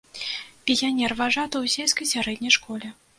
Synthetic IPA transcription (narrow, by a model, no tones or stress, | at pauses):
pʲijʲanʲɛrvaʐat̪ɐwsʲelʲskɐjsʲaɾɛd̪ʲnʲɐjʂkɔlʲɛ